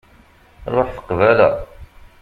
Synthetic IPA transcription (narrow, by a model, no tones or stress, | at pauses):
ɾˤoħθə̥qvælæ̰